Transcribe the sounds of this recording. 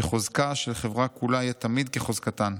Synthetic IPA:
eχozkaʃelχevʁakulajat̪amid̪̚keχozkat̪an

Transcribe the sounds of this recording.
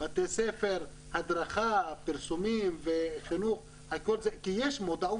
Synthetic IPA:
bat̪esefeɾ | had̪ɾaχapiɾsumimveχinuχ | hakolzekijeʃmod̪au

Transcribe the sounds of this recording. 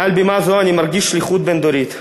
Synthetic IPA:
albemazoanimaɾɡʲiʃliχut̪̚bend̪oɾit̪

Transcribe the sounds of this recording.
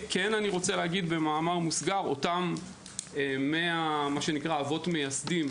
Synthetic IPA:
kenaniʁo̞t͡selehaɡid̪be̞maːmaʁmusɡaʁo̞̰tam | emeamaʃe̞nikʁaːvo̞tme̞jasdim

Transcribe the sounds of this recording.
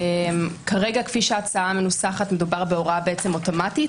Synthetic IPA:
emkʰaʁe̞ɡakfiʃat͡saame̞nusaχatme̞dubaʁbeo̞ʁabeet͡se̞moto̞mati

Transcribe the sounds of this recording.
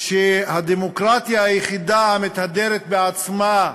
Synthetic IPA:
ʃehad̪emo̞kʁat̪jaajeχid̪amet̪ad̪e̞ɾet̪̚beat͡sma

